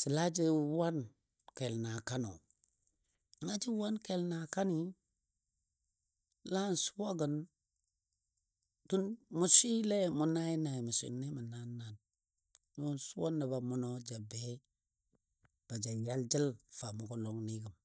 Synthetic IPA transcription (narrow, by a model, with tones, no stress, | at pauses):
t͡ʃi˨la˦d͡ʒi˦wa˦n | ke˨lna˨ka˦no̰˨ | la˦d͡ʒi˦wa˦nke˨lna˨ka˦ni˦ | la˦nsu˦wa˦ɡə˨n | tu˦nmu˨si˦le˦mu˨na˦ji˦na˨mu˨sḭ˨nːe˦mu˨na˦na˨n | u˦nsu˦wo˦nːa˨ba˨mu˦no˦d͡ʒa˨be˦ | b̥a˨d͡ʒa˨ja˦ld͡ʒə˦lfa˨mu˨ko˦lo˦ŋni˦ɡə˨m